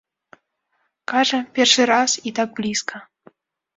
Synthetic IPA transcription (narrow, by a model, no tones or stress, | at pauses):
kaʐɨpʲerʂɨɾasit̪aɡ̚blʲiskə